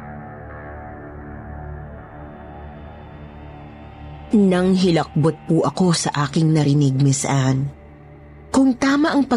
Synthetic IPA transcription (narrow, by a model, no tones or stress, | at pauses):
nɐŋɦɪlɐk̚bot̪̚puʔɐko̞sɐʔaːkɪŋnɐɾɪnɪɡ̚mɪsʔan | kʊŋt̪aːmɐʔɐŋpɐ